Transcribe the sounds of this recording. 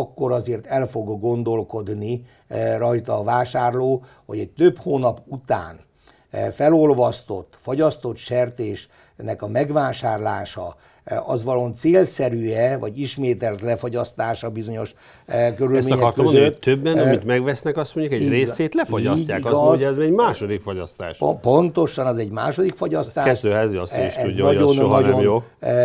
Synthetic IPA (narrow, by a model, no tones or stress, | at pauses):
kːo̞ɾɒzeːrt̪ɛlfo̞ɡːo̞nd̪o̞lko̞d̪ni | rɒjt̪ɒːvaːʃaːrloː | ho̞̰ɟɛc̚t̪øphoːnɒput̪a̰ːn | fɛlo̞lvɒst̪o̞̰t̪ːfoɟɒst̪o̞t̪ʃɛrt̪eːʃ | nɛkɒmɛɡʋaːʃaːrlaːʃɒ | ɒzʋɒlont̪seːlsɛɾyɛvɒɟiʃmeːt̪ɛlt̪lɛfoɟɒst̪aːʃɒbizo̞ɲo̞ʃ | køɾymeːɲɛɔrt̪ːøzøt̪ːøbːɛnɒmmit̪mɛɡʋɛsnɛkɒst̪moɲjukɛɟreːseːt̪lɛfoɟɒsaːikɒɛzɛɟmaːʃod̪ikfoɟɒst̪a̰ːʃpo̞nt̪oʃɒnɛzɛɟma̰ːʃo̞d̪ikfoɟɒst̪aːɛzt̪øːɛziɒsiʃɛnɒonːɒnomjoː